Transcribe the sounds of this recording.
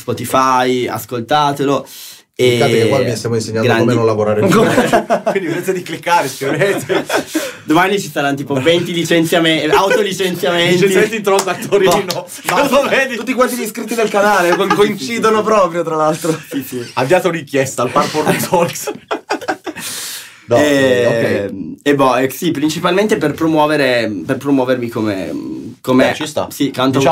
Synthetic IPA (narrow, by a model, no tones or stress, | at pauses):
spɔt̪ifaja̰skolt̪aːt̪elo | eaekewaviast̪jamoinseɲːanɡɾanmeinolavoɾaːɾekoakwind̪iveɾet̪ed̪iklikːaɾeskɾet̪e | d̪omanit͡ʃist̪aɾanːot̪iːpovɛnt̪ilit͡ʃent̪sjameawt̪olit͡ʃent̪sjameienjment̪it̪ɾɔkat̪ːoːɾiinɔ | aloved̪it̪ut̪ːikwast̪id̪iskɾit̪ːid̪elkanaːlekokoint͡ʃiːd̪onopɾɔːpɾjot̪ɾalalt̪ɾosisiavːjaːt̪enikjɛst̪aːlparpoɾesɔlks | d̪ɛkɛebɔɛsipɾint͡ʃipalment̪eperpɾomwɔːveɾeperpɾomwɔːvermikomḛkomet͡ʃist̪a̰sikant̪o